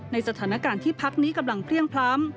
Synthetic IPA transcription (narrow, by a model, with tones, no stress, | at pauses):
na˧jsa˧t̪ʰaː˩˦na˦˥kaː˧nt̪ʰiː˥˩pʰa˦˥k̚niː˦˥ka˧mla˧ŋpʰli˥˩əŋpʰlaː˦˥m